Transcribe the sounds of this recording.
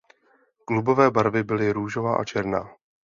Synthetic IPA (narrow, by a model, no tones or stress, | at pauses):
klubo̞vɛːbaɾvɪbɪlɪɾuːʒovaːʔa̰t͡ʃɛɾnaː